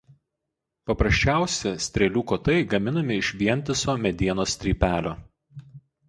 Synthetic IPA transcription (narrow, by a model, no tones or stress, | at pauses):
pɐpɾɐsʲt͡ʃʲæˑʊsʲɛsʲt̪ʲɾʲɛlʲuːkoːt̪ɐɪɡɐmʲɪnɐmʲɪɪʃʲʋʲiɛnʲt̪ʲɪsoːmʲɛd̪ʲiɛnoːsʲt̪ʲɾʲiːpʲæːlʲoː